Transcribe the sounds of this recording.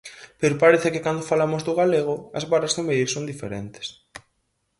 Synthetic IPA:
peɾopaɾeθekekand̪ofalamozðoɣaleɣ̞oɐzβarazðomeðilsõnd̪ifḛɾḛnt̪e̥s

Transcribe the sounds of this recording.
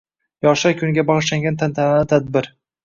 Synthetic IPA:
jɒʃakʰʲʊŋɡʲabɒʁɨʃlaŋɡʲant̪ʰant̪ʰananɪt̪ʰad̪̚bɪɾ

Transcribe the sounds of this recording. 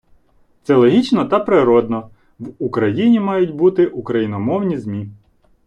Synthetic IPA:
t̪sɛlˠɔɦʲit͡ʃnɔt̪ɐpɾɪɾɔd̪nɔ | ʋukɾɐjinʲimɑjʊt̚ʲbut̪ɪʔukɾɐjinɔmɔwnʲizmʲi

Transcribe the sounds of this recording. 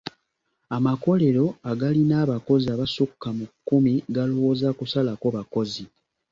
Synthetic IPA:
amako̞le̞ɾo̞aɡalinaːβako̞ziaβasukːamukːumiɡalowo̞ːzakusalakoβako̞zi

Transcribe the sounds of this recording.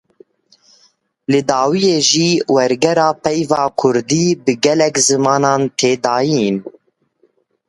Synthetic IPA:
lɨd̪ɑːwijeːʒiːwɛɾɡɛɾɑːpʰɛjvɑːkʰʊɾd̪iːbɨɡɛlɛkzɨmɑːnɑːnt̪ʰeːd̪ɑːjin

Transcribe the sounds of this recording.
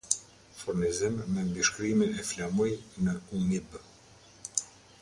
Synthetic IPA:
fuɾnizimmɛnd̪iʃkɾiminɛflamɔjnəumib

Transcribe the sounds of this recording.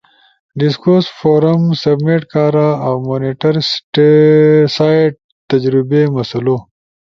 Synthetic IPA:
ɖɪskoːsfoːɾɐmsɐbmeʈkaːɾaawmoːniʈɐɾsʈesaːjɖ̚ | t̪ɐd͡ʑɾɪbemɐsɐloː

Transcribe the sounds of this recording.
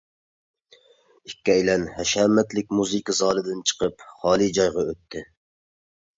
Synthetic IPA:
ikʲːɛjlɛnhɛʃɛmɛt̪lɪk̚ʲmuzɨkɑzɑːlˠɨd̪ɪnt͡ʃʰə̥qʰəpχɑːlˠid͡ʒɑjʁɑøt̪ʰːɪ

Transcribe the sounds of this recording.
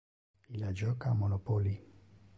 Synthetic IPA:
ilad͡ʒɔkamonopoli

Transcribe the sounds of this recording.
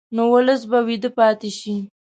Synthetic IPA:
nowʊləs̬bawid̪əpɑt̪eʃi

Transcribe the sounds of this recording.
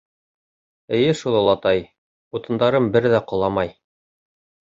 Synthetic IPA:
ɘ̆jɘʃulˠɤ̆lˠɑt̪ɑj | ut̪ɤ̆nd̪ɑɾɤmbɘɾðæqŏlˠɑmɑj

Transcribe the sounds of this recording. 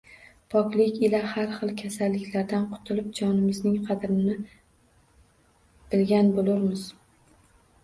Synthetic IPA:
pʰɒkʲlɪkʲɪlahaɾχɨlˠkʲʰasalːɪkʲʰlaɾd̪anqʰʊ̥t̪ʰɪlɪp̚d͡ʒɒnɪmɪznɪŋqʰɑd̪ɾɪnɪ | bɪlɡʲanbolʊɾmɪz̥

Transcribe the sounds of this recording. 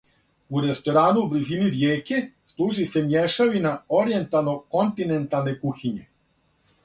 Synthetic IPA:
uɾest̪o̞ɾaːnubliziniɾjeːkeslˠuːʒise̞mjeʃaʋinaoɾje̞nt̪alˠno̞ko̞nt̪inent̪alˠnekuxiɲe

